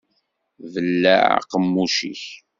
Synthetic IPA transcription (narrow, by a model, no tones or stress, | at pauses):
vəlːæ̰ʕa̰qəmːuʃḭç